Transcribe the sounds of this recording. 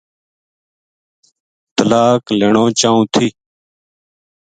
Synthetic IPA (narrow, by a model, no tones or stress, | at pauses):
t̪əlaːkleːɳõːt͡ʃaːũːt̪ʰiː